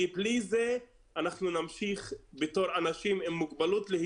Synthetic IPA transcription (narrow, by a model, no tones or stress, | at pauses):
iblize | anaχnunamʃiχbeto̞ʁanaʃimimːuɡbalut̪lehi